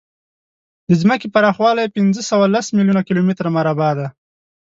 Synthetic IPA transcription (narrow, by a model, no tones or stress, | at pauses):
d̪əzməkepaɾɑxwɑlajpɪnd͡zəsawalasmiljunakɪlomɪt̪ɾamaɾabɑd̪a